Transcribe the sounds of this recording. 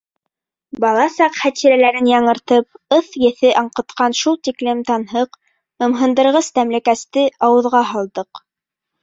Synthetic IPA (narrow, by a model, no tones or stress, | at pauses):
bɑlˠɑsɑqχæt̪iɾælæɾɘnjɑɴɤ̆ɾt̪ɤp̚ɤθjɘ̆θɘʔɑɴqɤ̆t̪qɑnʃulˠt̪iklɘmt̪ɑnɦɤq | ɤ̆mɦɤ̆nd̪ɤ̆ɾʁɤst̪æmlækæst̪ɘɑwɤ̆ðʁɑɦɑlˠd̪ɤq